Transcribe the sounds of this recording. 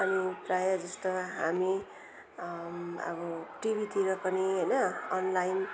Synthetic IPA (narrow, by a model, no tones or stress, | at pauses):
ʌniprajad͡zʌst̪oɦami | ʌ̰bʌʈibʱit̪ʰiɾʌkʌniɦʌjnʌʌnlajn